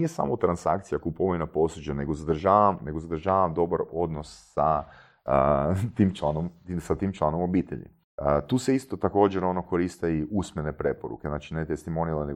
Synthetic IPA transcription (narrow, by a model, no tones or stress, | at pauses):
ijesa̰mot̪ɾansa̰kt̪sijakupoʋinapo̞sud͡ʑane̞ɡozad̪ɾʒaːʋamne̞ɡozad̪ɾʒaːʋamd̪o̞baɾo̞d̪no̞sːa | t̪iːmt͡ʃlˠanomt̪isat̪iːmt͡ʃlˠanomo̞biːt̪eʎḭ | t̪uːse̞ist̪o̞t̪ako̞ːd͡ʑeɾo̞no̞ko̞ɾist̪eiʔusmjenepɾe̞poɾṵkeznat͡ʃinet̪est̪imo̞niilene